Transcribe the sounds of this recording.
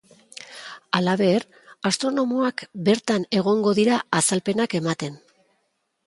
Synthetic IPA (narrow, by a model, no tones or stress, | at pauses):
alaβe̞ɾ | ast̪ɾo̞no̞moakbe̞ɾt̪ane̞ɣ̞o̞ŋɡo̞ðiɾaːsalpe̞nake̞mat̪e̞n